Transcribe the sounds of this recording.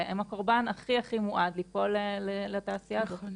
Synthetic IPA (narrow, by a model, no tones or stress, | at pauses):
emako̞ʁbanaχiaχimuʔad̪lipo̞lelelat̪aːsijaːzo̞t